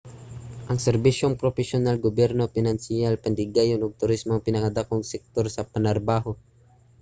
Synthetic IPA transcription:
ʔɐŋsɛɾbiʃjoŋpɾofɛsjonalɡobjɛɾnofɪnansɪjalpand̪ɪɡajonʊɡ̚t̪ʊɾismoŋpɪnɐkad̪akoŋsɛk̚t̪oɾsɐpanaɾabaːɦo

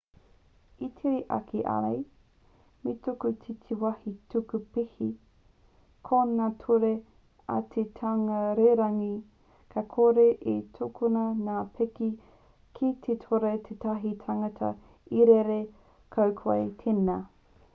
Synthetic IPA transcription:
itʰiɾiʔɐ̰kʰiʔa̰ɾa̰j | metokutʰitʰiwɐhitukupihi | kʰonatʰuɾe | ɐ̰t̪ʰetʰaŋɐɾeɾɐŋi | kʰakʰoɾeʔetʰokʰunɐnaːpʰeki | kʰitʰetʰoɾet̪ʰetɐɦitʰaŋɐtʰɐ̰ | iɾeɾe | kʰɐwkʰa̰jt̪ʰena

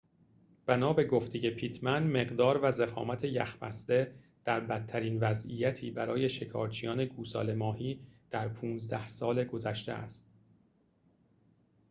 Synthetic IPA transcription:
b̥ænɒːbe̞ɡoft̪eje̞pʰiːt̪ʰmænme̞ɢd̪ɒːɾvæzexɒ̰ːmæt̪ʰe̞jæ̰xbæ̰sd̪e | d̪̥æɾbæt̪ʰːæɾiːnvæzʔijæt̪ʰiːbæɾɒːje̞ʃe̞kʰɒ̰ːɾt͡ʃʰijɒːne̞ɡuːsɒ̰ːle̞mɒːhiːd̪̥æɾpʰũːnzd̪æhsɒːle̞ɡo̞zæʃt̪ḛʔæ̰st̪

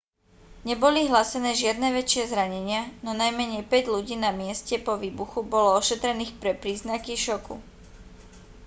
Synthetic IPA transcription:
ɲɛbɔliɦlasɛnɛːʒɪad̪nɛːʋɛt͡ʃɪɛzɾaɲɛɲɪanɔnajmɛɲɛjpɛɟʎuɟiːnamɪɛscɛpɔʋiːbuxubɔlɔɔʃɛt̪ɾɛniːxpɾɛpɾiːznakiʃɔkṵ

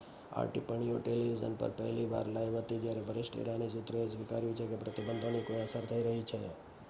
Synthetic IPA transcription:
a̰ɾʈipəɳ̃ijoʈeliʋizə̰npə̰ɾpɛ̰ɦliʋa̰ɾlajʋɦət̪id͡ʒjaɾeʋəɾɪʃʈḛɾanisut̪ɾesʋika̰ɾjũt͡ʃʰekepɾət̪ibənd̪ʱonikojəsəɾt̪ʰəiɾəɦit͡ʃʰḛ

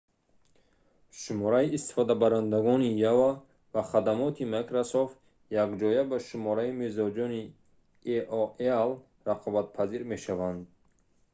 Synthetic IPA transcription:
ʃumɔɾaiːst̪i̥fɔd̪abaɾand̪aɡɔnijava | vaχad̪amɔt̪ʰimakɾasoft̪ | jaɡd͡ʒɔjabaʃumɔɾaimezɔd͡ʒɔni | eʔɔel | raqʰɔbat̪̚pʰaziɾme̞ʃavand̪

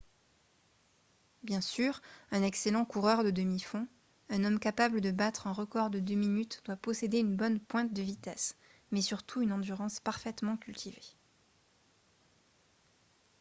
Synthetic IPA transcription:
bjɛ̃syːʁɛ̃nɛkselɑ̃kuʁœʁd̪əd̪əmifɔ̃ | ɛ̃nɔmkapabləd̪əbat̪χɛ̃ʁəkɔʁd̪əd̪øminyt̪d̪wapɔsed̪eynbɔnpwɛ̃t̪̚d̪əvit̪ɛs | mɛsyʁt̪ʰuynɑ̃d̪yʁɑ̃spaʁfɛt̪mɑ̃kʲylt̪ʰive

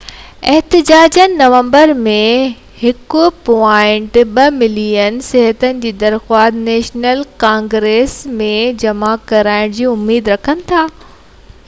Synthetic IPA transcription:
ɛɦt̪ɪd͡ʑaːd͡ʑənɪ̆nːɐʋə̃mbəɾmẽ | hɪkʊpɔaːɪ̃ɳʈɓɐmɪlijənsɪɦət̪ənɪ̆d͡ʑiːd̪ɐɾxaːd̪neːʃnəlkãːŋɡɾeːsmẽd͡ʑɐmakɐɾaːɪɽ̃d͡ʑiːʊmːiːd̪ɾɐkʰənɪ̆t̪ʰaː

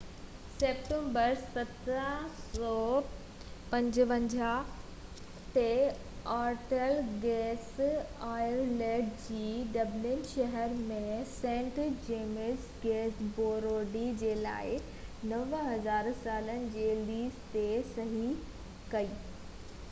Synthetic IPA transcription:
seːp̚ʈẽːmbəɾsɐt̪ɾəsɔː | pɐ̃ɲd͡ʑʋɐ̃ɲd͡ʑa | t̪e | aːɾʈəlɡɛːsaːɪəɾleːɖd͡ʑiːɖɐblɪnʃɐɦəɾmẽsɛ̃ːɳʈd͡ʑeːmɪs | ɡɛːsboːɾoːɖid͡ʑeːla̰ːɪ | nɐʋɦɐzaːɾsaːlənɪ̆d͡ʑeːliːzt̪esɐɦi | kɐiː

